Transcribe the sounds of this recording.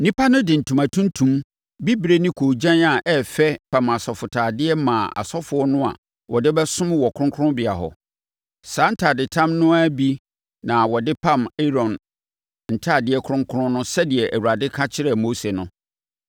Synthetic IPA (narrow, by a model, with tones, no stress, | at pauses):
nĩ˦pʰa˦nʊ̃˦dɪ˨n̩˨tʰũ˨mã˨tʰũ˦n˦tʰũ˨m | bi˦bɾe˦nĩ˦kʰo˨d͡ʑã˦na˨ʔɛ˦fɛ˦pʰã˨ma˨sɔ˨fʊ˨tʰaː˨dɪ˦ɛ˦mã˨a̰˨sɔ˦fʊ˨ɔ˦nʊ̃˦a̰˨ | wɔ˨dɪ˦bɛ˦sʊ̃˦mwɔ˨kʰʊ˦ɾʊ̃˦ŋkʰʊ˦ʊ̃˦bɪ˨a˨ɦɔ̰˨ | saː˨˦n̩˦tʰaː˨dɪ˨tʰã˦mnʊ̃˦a˦bi˦ | nã˨wɔ˨dɪ˦pʰã˦˨me˦ɾɔ̃˨n | n̩˨tʰaː˦˨dɪ˦ɛ˦kʰʊ˦ɾʊ̃˦ŋkʰʊ˦ɾʊ̃˦nʊ̃˦sɛ˦dɪ˨ɛ˨ʔæ˨wu˨ɾa˨dɪ˦kʰa˦t͡ɕʰɪ˦ɾɛ˨mo˦se˨nʊ̃˦